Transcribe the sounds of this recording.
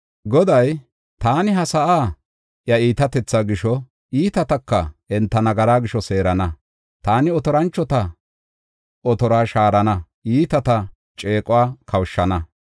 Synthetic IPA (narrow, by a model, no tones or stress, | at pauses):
ɡɔd̪ɐj | t̪aːnɪɦɐsɐʔaː | jɐiːt̪ɐt̪ɛt͡sːaːɡɪʃɔ | iːt̪ɐt̪ɐkːɐɛnt̪ːɐnɐɡɐɾaːɡɪʃɔse̞ːɾɐnɐ | t̪aːnɪɔt̪ɔɾɐnt͡ʃːɔt̪ɐ | ʔɔt̪ɔɾaːʃaːɾɐnɐʔiːt̪ɐt̪ɐ | t͡ʃʼe̞ːkʼʊwaːkʰɐwʃːɐnɐ